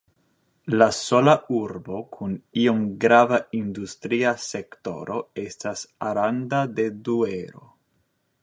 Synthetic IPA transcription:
laso̞laʔuɾbo̞kʰunio̞mɡɾavaindustɾiase̞kto̞̰ɾo̞e̞stasaɾandade̞dueɾo̞̰

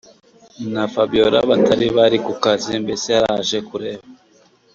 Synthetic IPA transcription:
nafabioɾa̰βatʰaɾiβaɾikukazimbe̞seaɾaʒe̞kuɾe̞ːβa

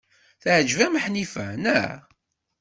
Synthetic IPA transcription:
θʕd͡ʒvæməħnifæ̰næʕ

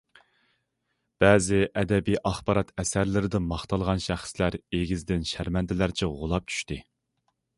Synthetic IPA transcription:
b̥ɛːzɪʔɛd̪ɛbijʔɑχbɑɾɑt̪ɛsæɾlɪɾɪd̪ɪmɑχt̪ʰɑlˠʁɑnʃæχslæɾeɡʲizd̪ɪnʃæɾmɛnd̪ʰɪlæɾt͡ʃʰiʁʊlˠɑp̚t͡ʃʰy̥ʃt̪ɪ

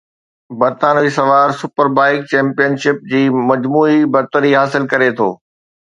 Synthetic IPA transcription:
bɐɾt̪aːnisɐʋaːɾsʊpəɾbaːɪk̚t͡ɕɛ̃ːmpijənʃɪp̚d͡ʑiːmɐd͡ʑmuːibɐɾt̪əɾiɦaːsɪlkɐɾet̪ʰo̰ː

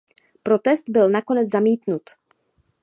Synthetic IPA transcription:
pɾo̞t̪ɛst̪̚bɪlnako̞nɛd͡zzamiːt̪nut̪

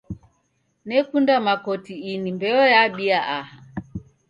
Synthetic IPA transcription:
nɛkundamakɔtiinimbɛɔjaɓiaʔaha

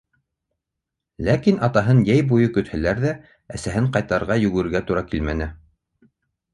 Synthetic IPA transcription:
lækinʔɑt̪ɑɦɤnjæjbujɤkɵ̆t̪hælæɾðæ | æsæɦɘɴqɑjt̪ɑɾʁɑjɵ̆ɡɘ̆ɘ̆ɾɡæt̪uɾɑkilmænɘ

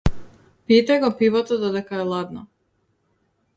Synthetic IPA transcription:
pit̪aɡopivot̪ɔd̪ɔd̪ɛkaɛlˠad̪nɔ

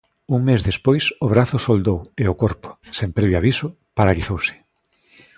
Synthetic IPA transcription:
uŋmezðespojsʊβɾaθʊsold̪oweʊkoɾpʊ̥sempɾɛβjoaβisʊ | paɾaliθowsɪ̥

